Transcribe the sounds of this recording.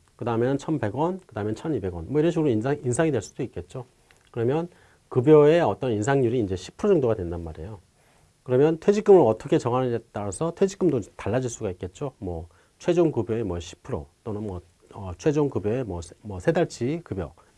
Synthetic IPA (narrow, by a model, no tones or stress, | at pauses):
kɯdaɯmjʌnt͡ɕʰʌnpe̞ɡwʌnkɯdaɯmjent͡ɕʰʌnibe̞ɡwʌnmwʌiɾʌnɕ̬ʰiɡɯɾoinainsʰaŋidwe̞ɭs͈ud̥oik͈̚e̞t̚t͡ɕ͈o | kɯɾʌmjʌn | kɯbjʌe̞ʌt͈ʌninsʰaŋɲuɾiːnd͡ʑe̞ɕʰi̥pʰɯɾod͡ʑʌŋdoɡadwe̞ndanma̰ɾḛjo | kɯɾʌmjʌntʰwe̞d͡ʑik͈ɯmɯɭʌt͈ʰʌkʰe̞t͡ɕʌɡanedet̚t͈aɾasʰʌtʰwe̞d͡ʑik͈ɯmdotaɭːad͡ʑiɭs͈uɡaik̚k͈e̞t̚t͡ɕ͈omwʌ | t͡ɕʰwe̞d͡ʑoŋkubjʌe̞mwʌɕʰi̥pʰɯɾo̰t͈onɯnmʌ | ʌt͡ɕʰwe̞d͡ʑoŋkubjʌe̞mwʌmʌsʰedaɭt͡ɕ͈ʰikɯbjʌ̰